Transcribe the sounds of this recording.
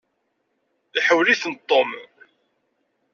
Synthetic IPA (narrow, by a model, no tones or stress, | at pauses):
iħəwliθənt̪ˤːom